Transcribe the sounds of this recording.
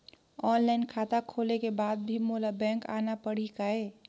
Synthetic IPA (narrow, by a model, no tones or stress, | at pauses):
ɔːnlaɪnkʰaːt̪akʰoːlekebaːd̪̚bʱimolabɛ̃ːŋka̰ːnapəɽ̤ikaeː